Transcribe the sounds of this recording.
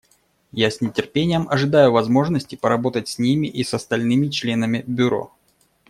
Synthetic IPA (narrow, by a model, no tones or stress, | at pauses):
jasʲnʲɪtʲɪrpʲenʲɪjəmɐʐɨd̪ajʊvɐzmo̞ʐnəsʲtʲɪpəɾɐbo̞t̪ətʲsʲnʲimʲɪʔisɐst̪ɐlʲnɨmʲɪt͡ɕlʲe̞nəmʲɪbʲʊɾo̰